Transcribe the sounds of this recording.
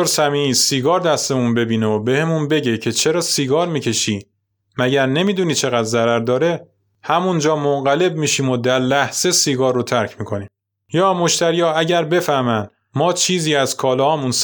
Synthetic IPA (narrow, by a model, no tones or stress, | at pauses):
oɾsæmiːiːsiːɡɒːɾd̪æst̪e̞munbe̞biːneobe̞hemunbe̞ɟe̞cʰe̞t͡ʃʰe̞ɾɒːsiːɡɒːɾmiːcʰe̞ʃiː | mæɟæɾne̞miːd̪uːniːt͡ʃʰe̞ɣæd̪zæɾæɾd̪ɒːɾe̞ | hæmund͡ʒɒːmoŋɢæle̞bmiːʃiːmod̪æɾlæhz̥e̞siːɡɒːrːot̪ʰæɾcʰmiːkʰo̞niːm | jɒːmo̞ʃt̪ʰæɾijɒːæɟæɾbe̞fæhmæn | mɒːt͡ʃʰiːziːæzkʰɒːlɒhɒːmuns